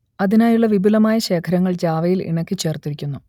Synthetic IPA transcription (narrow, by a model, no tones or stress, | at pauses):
ɐðinaːjuɭːɐʋibulɐmaːjɐɕe̞ːkʰɐɾɐŋːɐɭd͡ʑaːʋɐjilḭɳɐkʲːɨt͡ɕe̞ːrt̪iɾikʲːunːu